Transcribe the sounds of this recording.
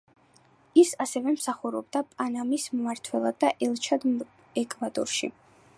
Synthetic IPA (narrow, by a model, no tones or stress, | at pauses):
isasɛvɛmsaχuɾɔbd̪apʼanamismmaɾt̪ʰwɛlˠad̪ːaʔɛlˠt͡ʃʰad̪ | ɛkʼvad̪ɔ̰ɾʃḭ